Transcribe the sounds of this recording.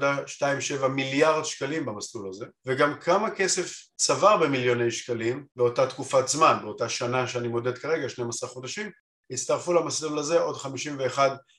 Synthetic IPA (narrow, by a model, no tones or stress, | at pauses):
daʃtaimʃe̞vamiljaʁdʃkalimbamaslulaze̞veɡamkʰamake̞se̞f | t͡savaʁbe̞miljo̞nejʃkalimbeo̞tatkufazmanbeo̞taʃanaʃeanimo̞de̞dkaʁe̞ɡaʃnejmasaχχodaʃim | hit͡st̪aʁfulamaslulaze̞ʔo̞dχamiʃimveːχad